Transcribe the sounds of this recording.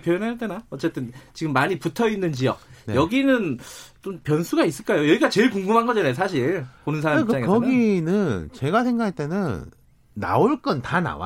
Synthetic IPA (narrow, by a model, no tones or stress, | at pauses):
pjojonɦaaɭt͈enaʌt͡ɕ͈e̞t͈ɯnt͡ɕiɡɯmːaɲiputʰʌinːɯnt͡ɕijʌk̚nejʌɡinɯnt͡ɕ͈ompjʌnsʰuɡais͈ɯɭk͈ajojʌɡiɡat͡ɕe̞ɭkuŋɡɯmɦanɡʌd͡ʑanajos̬ʰaɕʰiɭponɯnsʰaɾamikɯikʌɡinɯnt͡ɕe̞ɡasʰe̞ŋɡakʰaɭt͈e̞nɯnː | a̰oɭk͈ʌntana̰wa̰